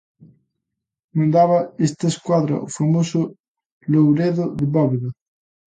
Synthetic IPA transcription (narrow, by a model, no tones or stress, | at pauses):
mãnd̪aβɐest̪ɐskwaðɾɐ̰ʔʊfamosʊ | lowɾeðʊðɪβɔβeðɐ